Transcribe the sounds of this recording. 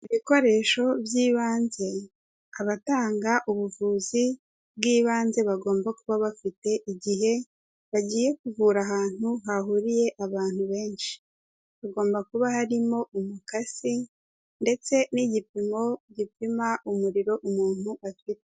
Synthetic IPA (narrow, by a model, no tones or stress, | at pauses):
iβiko̞ɾe̞ʃo̞bjiːβaːnze̞ | aβataːŋɡaʔuβuvuːzi | bɡiːβaːnze̞βaɡo̞ːmbakuβaβafite̞ʔiɟiɦe̞ | βaɟiːje̞kuvuːɾaɦaːn̥huɦahuɾije̞ʔaβaːn̥huβe̞ːnʃi̥ | βaɡo̞ːmbakuβahaɾimo̞umukasi | nde̞t͡se̞niɟipimo̞ɟipimaʔumuɾiɾo̞ʔumuːn̥huafite